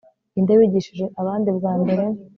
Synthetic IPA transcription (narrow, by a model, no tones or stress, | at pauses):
indeβiɟiʃiʒe̞ʔaβaːndibɡaːmbe̞ɾe̞